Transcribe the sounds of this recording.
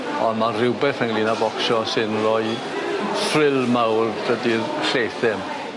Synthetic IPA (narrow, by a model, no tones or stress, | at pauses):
ɔnmarɪwbɛθəŋlˠinabɔkʃɔsɨnrɔɨ | frɪlˠmawrd̥ədirɬejθɪm